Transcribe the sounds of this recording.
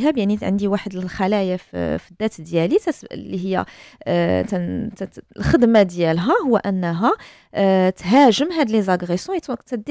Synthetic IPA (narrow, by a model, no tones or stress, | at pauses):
ɦæbjaʕniʕə̰nd̪iwaħəd̪əllxælæjaffid̪ːæt̪d̪jælit̪ælːiɦəjːæ̰ | t̪t̪lxəd̪mad̪jælɦæhʊwːæʔənːɦæ | t̪ɦæʒəmɦæd̪əlizaɡʁesɔ̃jt̪t̪æd̪